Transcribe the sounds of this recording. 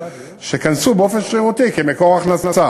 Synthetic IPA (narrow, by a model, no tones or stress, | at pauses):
ʃekansubeofenʃʁiʁut̪ikemekoʁaχnasnasa